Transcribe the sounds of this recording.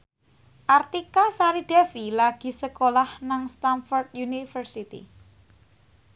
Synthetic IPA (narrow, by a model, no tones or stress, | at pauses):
ʔart̪ikasaɾid̥afilaɡ̥i̤səkolahnaŋst̪anfɔrt̪junifərsit̪ḭ